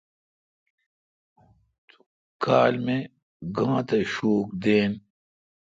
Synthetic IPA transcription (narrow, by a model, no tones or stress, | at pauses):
t̪u̥ | kʰaːlme | ɡãːt̪ɐɕoːk̚d̪eːn